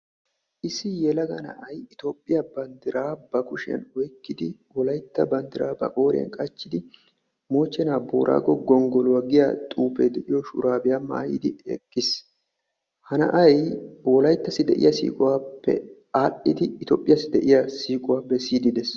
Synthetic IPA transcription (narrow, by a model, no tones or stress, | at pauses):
ʔɪsɪjɛlɐɡɐnɐ̰ʔɐjɪt̪oːpʼːɪjɐbɐnd̪ɪɾaːbɐkʊʃɪɐ̰nwɔjkːɪd̪ɪwɔlɐjt̪ːɐbɐnd̪ɪɾaːbɐ̰kʼo̞ːɾɛ̰nkʼɐt͡ʃːɪd̪ɪ | mo̞ːt͡ʃːɛnaːbo̰ːɾʔa̰ːɡɔɡɔŋɡɔlʊwɐɡɪjat̪ʼuːped̪ɛʔɪjɔʃʊ̰ɾaːbɪjamːa̰ːjḭːd̪ɪɛ̰kʼːɪs | hɐnɐ̰ʔɐjwɔlɐjt̪ːɐsɪd̪ɛʔɪ̰jɐsḭːkʼʊwaːpːɛ̰ | aːɗɪd̪ɪːt̪oːpʼːɪjɐsɪd̪ɛʔɪjɐsiːkʼʊwaːpːɛsiːd̪ɪd̪ɛs